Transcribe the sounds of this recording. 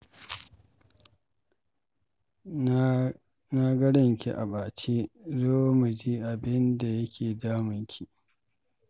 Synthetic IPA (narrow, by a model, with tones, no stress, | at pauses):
na˦ɡɐ˦ɽɪ˦ŋkʲḭ˦˨ʔa̰˨baː˨t͡ʃeː˦zoː˦mu˨d͡ʒi˦ʔa˨bɪ˦nda˨jɐ˦kʲʰeː˨daː˦mʊ˨ŋkʲʰi˨